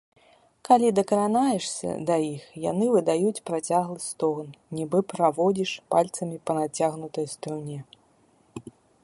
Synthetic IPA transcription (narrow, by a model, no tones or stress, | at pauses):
kalʲid̪ɐkɐɾanajɛʂsʲɐ̰d̪ɐjixja̰n̪ɨvɨd̪ajut͡sʲpɾat͡sʲaɣlˠɨst̪ɔknnʲibɨpɾavɔd͡zʲiʂpalʲt̪sɐmʲipɐnat͡sʲaɣnut̪ɐjst̪ɾunʲɛ